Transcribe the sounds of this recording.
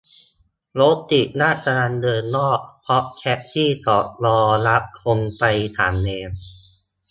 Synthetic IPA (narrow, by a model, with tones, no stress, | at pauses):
lo˦˥t̪ːi˨˩ʔ̚naː˥˩ta˧a˧ndɤː˧nːɔː˥˩k̚pʰɔ˦˥ʔkʰɛ˦˥ʔ̚t̪ʰiː˥˩t̪ɔː˨˩k̚ɾɔː˧ɾa˦˥p̚kʰo˧npa˧jt̪ʰa̰ː˩˦mnɛː˧m